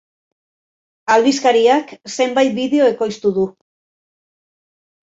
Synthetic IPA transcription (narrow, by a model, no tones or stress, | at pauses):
alβiskaɾiakse̞mbajt̪̚biðe̞o̞e̞ko̞jst̪uðu